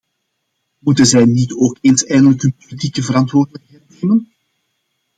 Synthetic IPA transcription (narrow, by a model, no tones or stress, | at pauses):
mutənzɛjnitoːkeːnsɛjndələkɦənpolitikəvəɾɑntʋoːrdələkɦɛjt̚neːmən